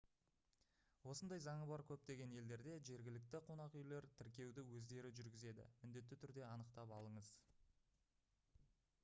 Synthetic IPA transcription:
wo̞sənd̪ɑjzɑɴəbɑɾkʲʰɵp̚t̪e̞ɡʲe̞ne̞ld̪e̞ɾd̪e̞ʒe̞ɾɡʲɪlɪk̚t̪ɪqʰo̞nɑqʏjle̞ɾt̪ʰɪɾkʲe̞wd̪ɪwɵzd̪e̞ɾɪʒʏɾɡʲɪze̞d̪ɪ̰mɪnd̪e̞t̪ːɪt̪ʰʏɾd̪e̞ɑnəqt̪ɑpɑlˠəɴəz

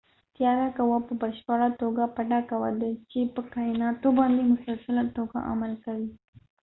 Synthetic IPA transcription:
t̪jɑɾakawapəbaɾʃpaɾat̪oɡapaʈakawad̪at͡ʃepəkajnɑt̪obɑnd̪emʊsalsalat̪oɡa̰ʔa̰malkawi

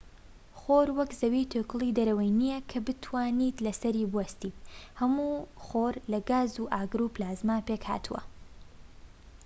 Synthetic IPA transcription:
χoɾwɐkzɐwiːt̪ʰøːkɨlˠiːd̪ɐɾɐwɐjnijɛkʰɐbɨt̪ʰwaːniːt̪lɐsɐɾibuwɐst̪iːt̪̚hɐmuːχoɾlɐɡaːzuʔaːɡɨɾuːplaːzmaːpekha̰ːt̪ʰuwɐ̰

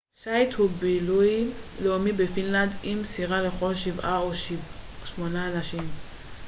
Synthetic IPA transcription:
ʃajt̪hubilujleomibefinland̪imsiʁaleχo̞lʃivaoʃʃmonaːnaʃim

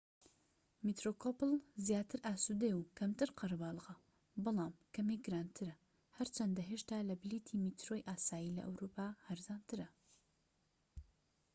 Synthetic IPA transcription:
mit̪ɾokʰopɨlˠzjaːt̪ʰɨɾʔaːsud̪eukʰɐmt̪ɨɾqʰɐɾbaːlˠʁɐ | bɨlˠaːmkʰɐmeɡɨɾaːnt̪ʰɨɾɐ | hɐɾt͡ʃʰɐnd̪ɐɦeʃt̪aːlɐblit̪ʰimit̪ɾojʔaːsaːjilɐ̰ʔɐ̰wɾupʰaːhɐɾzaːnt̪ʰɨɾɐ

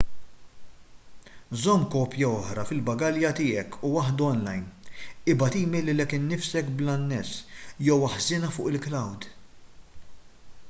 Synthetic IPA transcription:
zɔmːkɔːpjɐɔħɾɐfɪlbɐɡɐljɐt̪ɪːɛkuwɐħd̪uɔnlɐjnɪbɐt̪iːmɪlːɪlɛkːɪnːɪfsɛkblɐnːɛsjɛwɐħzɪːnɐfʊːʔɪlklɐwd̪

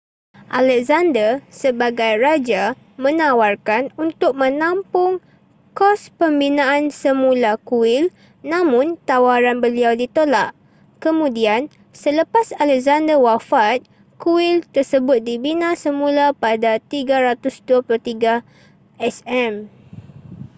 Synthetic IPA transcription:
ʔalɛk̚zandərsəbaɡajrad͡ʒa | mə̃nawarkanunt̪ʊk̚mə̃nampʊŋ | kɔspəmbinãʔansəmũlakuwɪl | nãmʊ̃nt̪awaɾanbəliawdit̪olaʔ | kəmũdian | sələpasalɛk̚zandərwafat̪̚ | kuwɪlt̪ərsəbʊt̪̚dibinãsəmũlapadat̪iɡaɾat̪ʊsduapulot̪iɡa | ɛsɛm

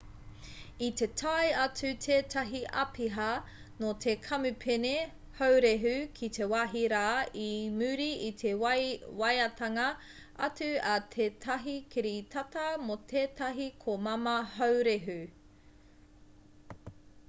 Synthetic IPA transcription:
it̪e̞tʰɐjɐt͡sʉtʰeːtʰɐɦiʔɐ̰pʰiɦɐ | not̪ʰekʰɐmʉpʰene | hɐwɾeɦʉkʰit̪ʰe̞waɦiɾaːimʉɾiit̪ʰe̞wwɐjɐtʰɐŋɐ | ɐt͡sʉɐt̪ʰeːtʰɐɦikʰiɾitʰɐtɐmot̪ʰeːtɐɦikʰomɐmɐhɐwɾeɦʉ

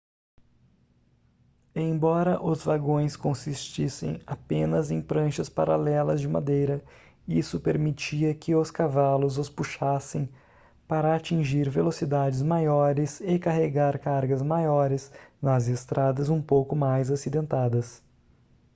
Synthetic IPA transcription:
ẽj̃bɔɾɐʔʊzvaɡõj̃skõsist͡ʃisḛ̃j̃apẽnɐzẽj̃pɾɐ̃ʃɐspa̰ɾalɛlɐzd͡ʒɪma̰d̪ejɾɐ | isʊpeɾmit͡ʃiɐkɪʊskavalʊzʊspuʃasẽj̃ | paɾɐat͡ʃĩʒiɾvelosid̪ad͡ʒɪzmajɔɾɪsɪkaɦeɡaɾkaɾɡɐzmajɔɾɪznɐzɪst̪ɾad̪ɐzũpowkʊmajzasid̪ẽnt̪ad̪ɐs

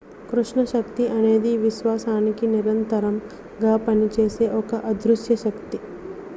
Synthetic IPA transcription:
kɾuʂɳɐʃɐkt̪iʔɐne̞ːd̪iʋiʃʋaːsaːnikiniɾɐnt̪ɐɾɐm | ɡaːpɐnit͡ʃeːse̞ːʔɔkɐʔɐd̪ɾuʃjɐʃɐkt̪i

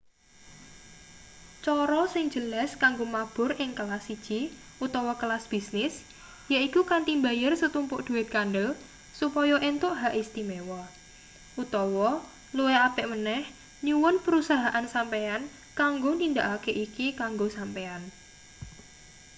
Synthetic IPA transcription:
t͡ʃɔɾɔsɪŋd͡ʒ̥ə̤laskaŋɡomab̥ʊ̤ɾɪŋklasːid̥ʒ̥i | ʔut̪ɔwɔkəlasb̥isnɪs | jaikukant̪imbajərsət̪umpʊʔd̪̥ṳɪt̪̚kanɖəl | supɔjɔʔent̪ʊʔɦaʔist̪imewɔ | ʔut̪ɔwɔ | lueapɛʔmənɛh | ɲuwʊnpəɾusaɦaʔansampean | kaŋɡonind̪aʔakeʔikikaŋɡosampean

